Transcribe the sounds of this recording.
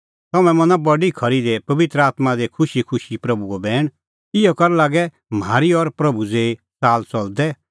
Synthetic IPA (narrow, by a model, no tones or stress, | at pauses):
t̪ɐmɛ̃mɐ̃nãbɐɖikʰɐɾid̪ɛpɐʋɪt̪ɾəaːt̪mad̪ekʰʊʃikʰʊʃipɾɐbuɔbɛːɽ̃ | ɪɔkɐɾɛlaːɡɛ | maːɾiɔɾpɾɐbud͡zeːi | t͡saːlt͡sɔld̪ɛ